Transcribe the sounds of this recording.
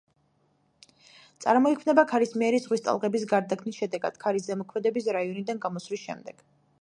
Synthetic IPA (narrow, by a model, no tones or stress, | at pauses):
t̪sʼa̰ɾmɔikʰmnɛbakʰaɾismiɛɾizʁwist̪ʼa̰lˠʁɛbis̬ɡaɾd̪akʰmisʃɛd̪ɛɡa̰d̪̥kʰaɾiszɛmɔkʰmɛd̪ɛbis̬ɾaiɔnid̪anɡamɔsvlisʃɛ̰md̪ɛɡ̥